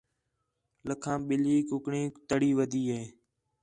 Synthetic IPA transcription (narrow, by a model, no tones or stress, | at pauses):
ləkʰãːɓɪliːkʊkɳĩːt̪əɽiːʋəd̪ʱiːɦeː